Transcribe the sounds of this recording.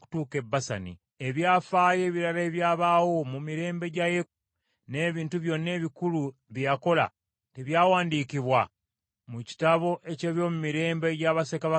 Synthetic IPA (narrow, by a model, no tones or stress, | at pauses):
ku̥tuːke̞bːasanḭ | eβjaːfaːje̞ːβiɾale̞βjaːβawo̞mumiɾe̞ːmbe̞ɟaje̞u | ne̞ːβiːntuβjo̞ne̞βikuluβjjako̞la̰ | teβjaːwaːndikiβwa | muci̥taβo̞ʔe̞ce̞ːβjo̞ːmumiɾe̞ːmbe̞ɟaβasekaβa